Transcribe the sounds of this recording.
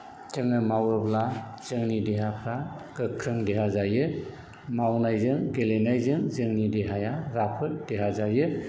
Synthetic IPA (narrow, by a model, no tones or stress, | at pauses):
tɯŋɯmawɯɾbla | z̥ɯŋnideɦapʰɾaɡ̥ɯkʰːɾɯŋdeɦazajɯ | mawnajzɯŋɡelenajzɯŋzɯŋnideɦajaɾapʰɯɾdeɦazajɯ